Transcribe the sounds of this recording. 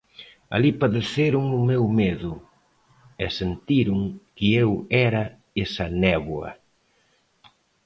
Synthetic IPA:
a̰lipaðeθeɾuŋʊmewmeðʊ | ɛsent̪iɾʊŋkɪewɛɾɐ | esɐnɛβwɐ̰

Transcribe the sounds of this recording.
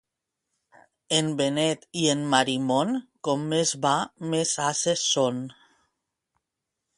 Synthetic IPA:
embenet̪ienmaɾimonkomːezβamesaseson

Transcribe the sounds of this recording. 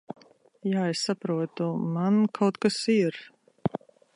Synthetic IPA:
jaːɛsːapɾuɔt̪umankʰawt̪kasiɾ

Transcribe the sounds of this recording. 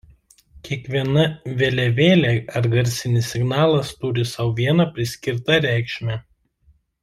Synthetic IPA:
kʲiɛkʋʲiɛnɐʋʲelʲɛʋʲeːlʲeɐɾɡɐɾʲsʲɪnʲɪsʲːɪɡnɑːlˠɐst̪ʊɾʲɪsɐʊʋʲiɛnɐpʲɾʲɪsʲkʲɪɾt̪ɐɾʲæˑɪkʃʲmʲæ

